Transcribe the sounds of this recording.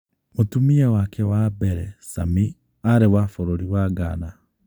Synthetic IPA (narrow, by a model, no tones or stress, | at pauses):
motumiawakʰɛwabɛɾɛsa̰mi | aɾewafoɾoɾiwaɡaːna